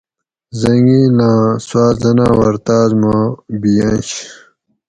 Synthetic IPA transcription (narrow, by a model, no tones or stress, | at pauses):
zɐŋɡiːlãːswaːzɐnãːwɐɾt̪aːzmabijãnɕ